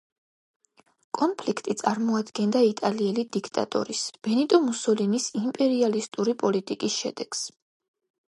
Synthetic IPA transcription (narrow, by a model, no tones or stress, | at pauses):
kʼɔnpʰlikʰt̪ʼit̪sʼaɾmɔad̪ɡɛnd̪ait̪ʼaliɛlid̪ikʰt̪ʼa̰t̪ʼɔ̰ɾisb̥ɛnit̪ʼɔmusɔlinisimpʼɛɾialist̪ʼuɾipʼɔlit̪ʼikʼisʃɛ̰d̪̥ɛɡ̥s